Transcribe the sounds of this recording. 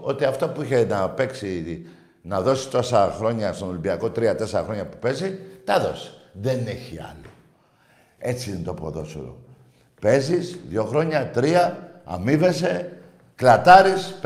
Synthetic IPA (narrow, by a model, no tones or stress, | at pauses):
o̞t̪iɐft̪opuiçe̞nɐpe̞ksi | nɐðo̞si̥t̪o̞sɐxɾo̞ɲɐst̪ono̞limbiɐko̞t̪ɾiɐt̪eseɾɐxɾo̞ɲɐpu̥pe̞zit̪ɐðo̞si̥ðene̞çiɐ̰lo | e̞t͡sint̪opo̰ðo̞̰so̰ɾo̰ | pe̞zisðʝo̞xɾo̞ɲɐt̪ɾiɐɐ̰mive̞se̞ | klɐt̪ɐɾisp